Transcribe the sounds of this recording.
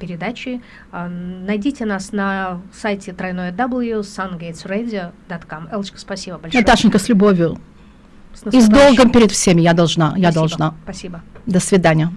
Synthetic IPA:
pʲɪɾʲɪd̪at͡ɕɪ | nɐjdʲitʲɪnasnɐsajtʲɪt̪ɾɐjnojəd̪abɨlˠjusanɡʲejt̪sredʲɪəd̪ɐt̪kamɛlˠt͡ɕkə̥spɐsʲibəbɐlʲʂnɐt̪aʂɨnʲkəsʲlʲʊbovʲjʊ | izd̪olˠɡəmpʲɪɾʲɪt̪fsʲemʲɪjad̪ɐlˠʐnajad̪ɐlˠʐnapɐsʲibəd̪əsvʲɪd̪anʲɪjə

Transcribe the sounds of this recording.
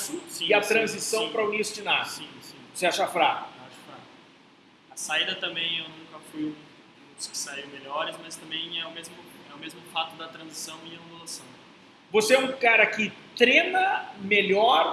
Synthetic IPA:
sĩsĩɪɐt̪ɾɐ̃zisɐ̃w̃pɾɐunisʊd͡ʒɪnasĩsĩvoseaʃafɾakʊaʃɐ̥fɾakʊ | ɐsaid̪ɐt̪ɐ̃mbẽj̃ewnũkɐfujũ | ʊ̥skɪ̥saiwmelɔɾɪsmɐst̪ɐ̃mbẽj̃ɛʊmezmʊɛʊmezmʊfat̪ʊd̪ɐt̪ɾɐ̃zisɐ̃w̃ɪɐɐ̃d̪ulasɐ̃w̃ | voseɛũkaɾɐkɪt̪ɾẽnɐmeʎɔɾ

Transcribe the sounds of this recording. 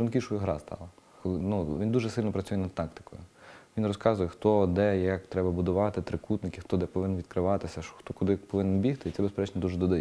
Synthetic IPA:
ɐnkʲiʃʊjʊɦɾɑ̰st̪ɑ̰lˠɐ | xɔɪnuʋʲind̪uʒɛsɪlʲnɔpɾɐt͡sʲujɛnɐd̪̚t̪ɑkt̪ɪ̥kɔjʊʋʲinrɔskɑzʊjɛxt̪ɔd̪ɛjakt̪ɾɛbɐbʊd̪ʊʋɑt̪ɪt̪ɾɪkut̪nɪkʲɪxt̪ɔd̪ɛpɔʋɪnnʋʲid̪kɾɪʋɑt̪ɪsʲɐʃɔ̥xt̪ɔkʊd̪ɪpɔʋɪnnbʲixt̪ɪit̪sɛbespɛɾɛt͡ʃnʲɛd̪uʒɛd̪ɔd̪ɪ

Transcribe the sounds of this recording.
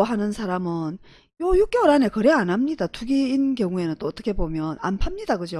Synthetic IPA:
ɦanɯnsʰaɾamɯn | jojuk͈̚joɾane̞kɯɾe̞anamɲidatuɡiːnkjʌŋue̞nɯnt͈oːt͈ʌkʰe̞bomjʌna̰npʰamɲidaɡɯd͡ʑo

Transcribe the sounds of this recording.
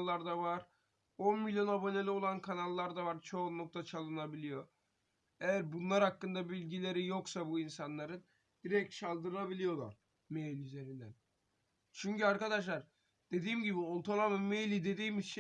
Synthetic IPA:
lˠːaɾd̪avaɾ̥ | o̞nmilʲjo̞nabo̞ne̞lʲio̞lˠankʰanalˠːaɾd̪avaɾt͡ʃʰo̞nlˠuk̚t̪ʰat͡ʃʰalˠɯnabilʲijo̞ | ejæɾbunlˠaɾhakːɯnd̪abilʲɟilʲe̞ɾijo̞ksabuinsanlˠaɾɯn | d̪̥iɾɛc̚t̪t͡ʃʰalˠd̪ɯɾɯɾabilʲijo̞lˠa̰ɾ̥ | mejlʲyze̞ɾind̪æn | t͡ʃʰyɲcyaɾkad̪aʃ̬lˠaɾ | d̪̥e̞d̪iːmɟibiolˠt̪ʰalˠamɯmejlʲid̪e̞d̪iːmit͡ʃʰ

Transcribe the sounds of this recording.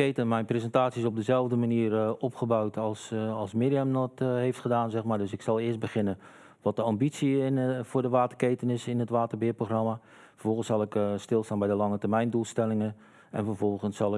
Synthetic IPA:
ejtənmɛjnprezəntaːtsisɔb̚dəzɛlˠvdəmaniərɔpχəbawtʰɑlˠsɑlˠsmeːdiəmnɔtɦejftχədaːnzɛxmaːɹdɵsɪksɑlˠɪəst̚bəχɪnən | ʋɔt̚dəɑmbitsivʊːɹdəʋaːtərkejtənɪsɪnətʋaːtərbɪːproxrɑma | fərvɔlˠχənsɑlˠɪkstɪlˠstaːnbɛjdəlɑŋətəɹmɛjndulˠstɛlɪŋən | ʔɛ̰nfərvɔlˠɣənsɑlˠɪ

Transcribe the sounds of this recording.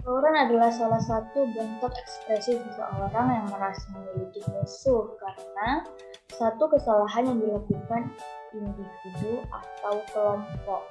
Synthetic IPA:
səoɾanadalahsalahsat̪ubənt̪ɔkɛkspɾɛsisəsə̰ʔaoɾaŋjaŋməɾasamənəlidɪk̚məsʊrkaɾəna | sat̪ukəsalaɦanjaŋdilakukan | indifidua̰t̪awkəlɔmpɔk̚

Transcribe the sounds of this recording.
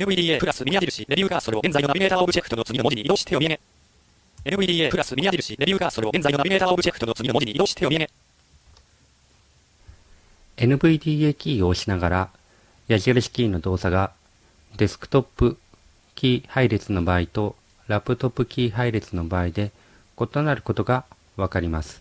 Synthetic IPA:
enɯ̟bɯid̪iːeːpɯ̟ɾasɨmʲiɲʲiad͡ʑiɾɯ̟ɕiɾe̞bʲɨːɡaso̞ɾe̞o̞ɡẽ̞nd͡zainoabiɡe̞ːt̪aːobɯ̟d͡ʑekɯ̟̥t̪oot͡sɨɡʲinmod͡ʑiɲ̟iid̪oːɕi̥t̪ʰːe̞jo̞miaɡe | enɯɯid̪ʲiːepɯ̟ɾasɨiiaʑiɾɯɕiɾe̞bʲɨːɡaso̞ɾe̞oɡẽ̞nd͡zainoabiɡe̞ːt̪aːobɯ̟d͡ʑekɯ̟̥t̪oot͡sɨɡʲinomod͡ʑiɲ̟iid̪oːɕi̥t̪ʰːe̞jo̞mijaɡe | e̞nɯ̟bɯ̟id̪ʲiːekʲiːo̞ːɕinaɡaɾa | jaʑiaɾɯ̟ɕi̥kʲiːnːo̞d̪o̞ːsaɡa | d̪e̞sɨ̥kɯ̟̥t̪o̞pːɯ̟ | kʲiːhaiɾe̞t͡sɨno̞baːit̪o̞ | ɾapːɯ̟t̪o̞pːɯ̟kʲiːɦaiɾe̞t͡sɨno̞baːid̪e̞ | ko̞t̪o̞naɾɯ̟ko̞t̪o̞ɡa | βakaɾʲimasɨ̥

